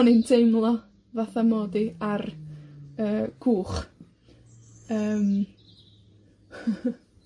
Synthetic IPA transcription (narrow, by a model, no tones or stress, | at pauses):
niɨntʰejmlˠɔ | vaθamoːdiar | əːɡ̥ʰuːχ | əːm